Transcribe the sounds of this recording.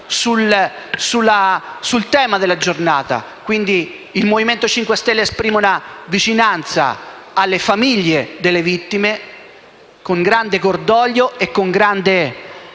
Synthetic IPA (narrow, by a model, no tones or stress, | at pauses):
sulsulːasult̪ɛːmad̪elːad͡ʒornaːt̪a̰ | kwind̪iː | lmoviment̪ot͡ʃiŋkwest̪ɛlːeespɾiːmunavit͡ʃinant̪sa̰ | alːefamiʎːed̪elːevit̪ːime | koŋɡɾand̪ekord̪ɔːʎːoekːoŋɡɾand̪e